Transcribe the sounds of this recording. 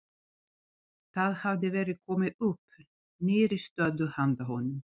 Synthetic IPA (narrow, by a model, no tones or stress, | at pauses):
θaðhavd̪ɪvɛːɾɪkʰɔmɪɵpː | neːɾist̪œːðʏhand̪ahɔnːʏm